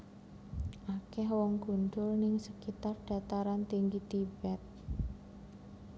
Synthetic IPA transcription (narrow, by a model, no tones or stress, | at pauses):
ʔakɛɦwɔŋɡ̥ṳnd̪ʊlnɪŋsəkit̪arɖ̥a̤t̪aɾant̪iŋɡit̪ib̥ɛt̪̚